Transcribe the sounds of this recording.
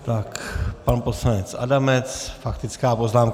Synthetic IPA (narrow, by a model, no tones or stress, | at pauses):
t̪akpanposlanɛt͡sʔa̰damɛt͡sfakt̪ɪt͡skaːpoznaːmk